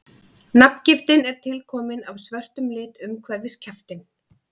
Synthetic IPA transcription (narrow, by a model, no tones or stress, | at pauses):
napn̥cɪft̪ɪnɛɾ̥t̪ʰɪlkʰɔːmɪnavsvœr̥t̪ʏmlɪːt̪ʏmkʰvɛɾvɪscʰaft̪ɪn